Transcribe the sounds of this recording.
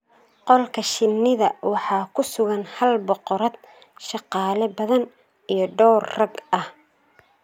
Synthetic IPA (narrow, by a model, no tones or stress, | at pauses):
qɔlkʰɐʃɪnːɪðɐwɑħɑːkʰʊsʊɣɐnhɐlbɔqɔɾɐd̪̚ | ʃɑqɑːlɛbɐðɐn | ijɞɖɔːrːɐɡɐh